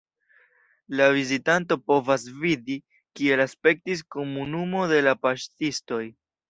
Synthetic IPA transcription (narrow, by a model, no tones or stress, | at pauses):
lavizitanto̞po̞vas̬vidi | kie̞laspe̞k̚tis̬ko̞munumo̞de̞lapaʃtisto̞j